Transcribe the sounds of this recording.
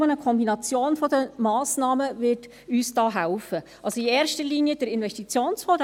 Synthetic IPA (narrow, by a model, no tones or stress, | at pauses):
ənəkʰɔmbinɑt͡sjoːnfɔdəmɑːsnɑːməvɪɾt | yːsd̥ɑːɦæʊfəʔɑlsoiɛːɾʃtəɾliːniəd̥əɾɪnvɛʃtit͡sjoːnsfɔd